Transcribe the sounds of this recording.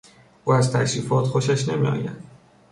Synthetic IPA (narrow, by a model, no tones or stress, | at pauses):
ʔuːæzt̪ʰæɾiːfɒːt̪xoʃæʃne̞mḭɒ̰ːjæ̰d̪̥